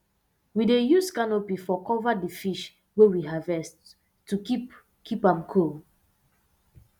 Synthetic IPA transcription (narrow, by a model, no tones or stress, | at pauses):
widejuskanopifɔkɔvadifiʃ | wewiɦavɛst | tːuk | kʰipãmkʰol